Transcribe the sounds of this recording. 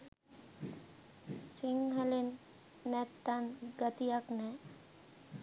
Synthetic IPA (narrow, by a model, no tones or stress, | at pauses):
siŋɦelinː | ɛt̪ːanɡət̪ijaknɛ